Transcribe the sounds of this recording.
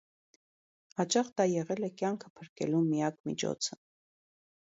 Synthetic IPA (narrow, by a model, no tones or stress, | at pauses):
hɑt͡ʃɑχd̪ɑjɛʁɛlɛkjɑŋkʰəpʰəɾkɛ̰lumijɑkmḭt͡ʃʰɔ̰t͡sʰə̥